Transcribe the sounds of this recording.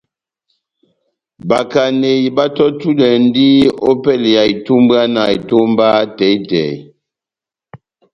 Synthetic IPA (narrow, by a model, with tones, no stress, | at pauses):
ba˨ka˨ne˨i˨ba˦tɔ˦tu˦lɛ˨n˦di˦o˦pɛ˦˨lja˨i˨tu˦m˦ba˦na˨i˨to˦m˦ba˦tɛ˨˦i˦tɛ˨j